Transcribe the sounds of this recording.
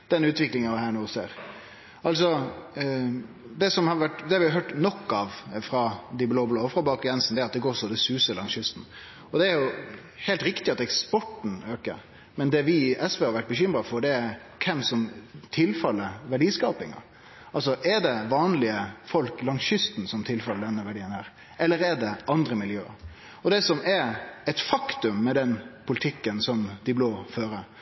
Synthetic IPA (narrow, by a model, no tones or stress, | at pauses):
d̪̥ɛnʉːt̪ʋɪklɪŋənɑʋɦæːɳoːsḛːɾ | ɑls̬ɔ | d̪ɛsɔmhɑɾʋæʈd̪ɛhɑɾʋɪhɑɦøːʈnɔkːɑʋfɾɑd̪ɪbloːbloːfɾɑbɑːkjɛnsn̩d̪ɛæɾɑt̪̚d̪ɛɡoːɾsɔd̪ɛsʉːsəlɑ̰ŋsjʏst̪n̩ | ɔd̪ɛæɾjʊ | hɛɪlt̪ɾɪkt̪ɪɑt̪ɛkspɔʈn̩øːkə̰ɾ | mɛnd̪ɛʋɪʔɛsʋɛːhɑɾʋæʈ̚ːbəçʏmɾɑfɔɾɖ̪ɛæ | kʰɛmsɔmt̪ʰɪlfɑlːəʋæɖiːskɑːpɪŋɑ̰ | ɑls̬ɔʔɛɖɛʋɑːnlɪəfɔlklɑŋsʏst̪n̩sɔmt̪ʰɪlfɑlːəd̪ɛnːəʋæɖiːənhæːɾ | ɛlːəɾɛɖɛʔɑnd̪ɾəmɪljø̰ː | ɔd̪ɛsɔmɛɾɛt̪fɑkt̪ʉmːɛd̪ɛnpʰʊlɪt̪ʰɪkːənsɔmd̪ɪbloːføːɾə